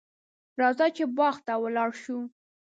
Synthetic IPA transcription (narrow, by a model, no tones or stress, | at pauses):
ɾɑzat͡ʃebɑxt̪awəlɑɽʃu